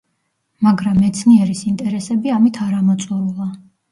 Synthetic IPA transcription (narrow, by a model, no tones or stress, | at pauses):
maɡɾamːɛt̪sʰniɛɾisint̪ʼɛɾɛsɛbiamit̪ʰaɾamɔt̪sʼɔɾulˠa